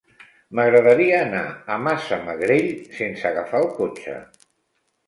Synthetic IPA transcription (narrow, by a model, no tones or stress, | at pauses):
məɣɾəðəɾiəːnaəmasəməɣɾeʎsensəɣafalˠkot͡ʃə̰